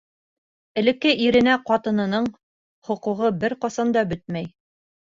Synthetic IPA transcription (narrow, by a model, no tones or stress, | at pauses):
ɘ̆lɘ̆kːɘʔiɾɘ̆næqɑt̪ɤ̆nɤ̆nɤɴ | χŏquʁɤbɘɾqɑsɑnd̪ɑbɵt̪̚mæj